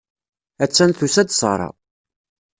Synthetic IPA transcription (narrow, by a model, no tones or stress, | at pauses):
æt͡sːænθusæd̪sˤə̰ɾˤɑ̰